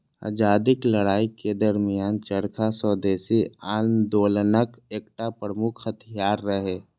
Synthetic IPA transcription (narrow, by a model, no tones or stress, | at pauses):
a̰ːd͡ʒaːd̪ɪkləɽaːiked̪əɾmijaːnt͡ʃəɾkʰasɔːd̪eːsiaːlmd̪oːlnəkeːk̚ʈapɾɾəmʊkʰhət̪ʰɪjaːɾːəɦeː